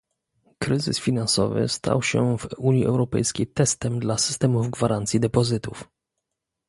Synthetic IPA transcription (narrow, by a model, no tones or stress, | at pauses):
kɾɘzɘ̰sfʲinansɔvɘ̰st̪ʰa̰wɕɛvuɲiʔɛwɾɔpɛjskʲejt̪ɛst̪ɛmd̪lasɘ̥st̪ɛmuvɡvaɾʔant̪sʲjid̪ɛpɔzɘt̪uf